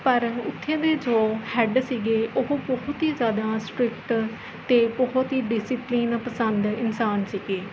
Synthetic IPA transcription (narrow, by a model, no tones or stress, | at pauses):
pəɾənʊt̪ʰːjẽːd̪eːd͡ʒoːhɛɖsiːɡeːʔoɦbɔɦʊt̪iːzjaːd̪aːsʈɾɪkʈ | t̪eːbɔɦʊt̪ɦiːɖɪsiːpliːnpəsənd̪ɪnsaːnsiːɡeː